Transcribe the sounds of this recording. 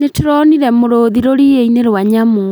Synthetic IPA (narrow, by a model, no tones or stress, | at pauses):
neteɾɔniɾɛmoɾoðiɾoɾieineɾwaɲamu